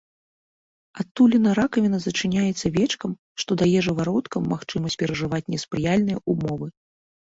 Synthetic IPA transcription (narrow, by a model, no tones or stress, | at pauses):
at̪ːulʲinɐɾakɐvʲinɐzɐt͡ʂɨnʲajɛt̪sːɐvʲɛt͡ʂkɐm | ʂt̪ɔd̪ajɛʐɨvaɾɔt̪kɐmːaxt͡ʂɨmɐsʲt͡sʲpʲɛɾɐʐɨvat͡sʲnʲɛspɾɨjalʲnɨjɐ̰ʔumɔvɨ